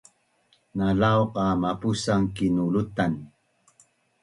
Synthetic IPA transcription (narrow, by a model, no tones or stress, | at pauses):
nalaoqamapusaŋkinulut̪an